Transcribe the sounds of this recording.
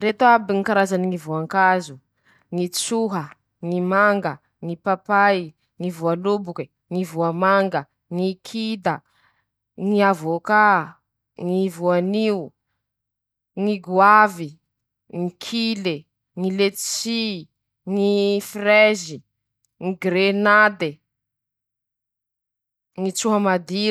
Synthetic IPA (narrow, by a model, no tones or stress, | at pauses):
ret̪oabiŋikaɾazaniŋivuaŋkazu | ŋit͡suɦə | ŋimaŋɡə | ŋipapaj | ŋivualubuki | ŋivuamaŋɡə | ŋikʰid̪ə | ŋiavoka | ŋivuaniu | ŋiɡuavi | ŋikʰile | ŋilet͡si | ŋifrezi | ŋiɡɾenad̪e | ŋit͡suɦamad̪i